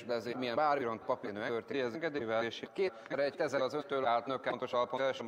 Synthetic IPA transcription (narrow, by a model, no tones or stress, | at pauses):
ʃlɛzeːmijɛbaːriɾont̪pɒpiːnøːɛørt̪ejɛzeŋɡɛd̪eːvɛleːʃekeː | ɛɾɛc̚t̪ɛzɛlɒzøt̪øːlaːlt̪nøkɛnt̪o̞ʃɒlpoɛʃm